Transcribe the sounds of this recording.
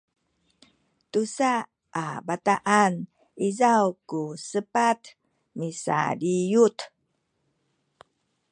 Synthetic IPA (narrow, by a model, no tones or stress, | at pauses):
tusa | ʔabataʔan | izawkusəpat̪ | misa̰dijut̪